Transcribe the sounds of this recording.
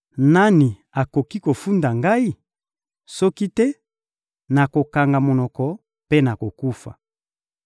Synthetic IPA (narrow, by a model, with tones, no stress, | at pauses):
na˦ni˨ | a˨ko˨ki˦ko˨fu˦nda˨ŋɡa˦i˦ | sɔ˦ki˦tɛ˦ | na˨ko˨ka˨ŋɡa˨mo˨nɔ˨kɔ˨ | pe˦na˨ko˨ku˦fa̰˨